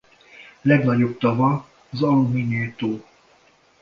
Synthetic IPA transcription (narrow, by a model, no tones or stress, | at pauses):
lɛɡnɒɟo̞b̚t̪ɒvɒː | zɒlumineːt̪oː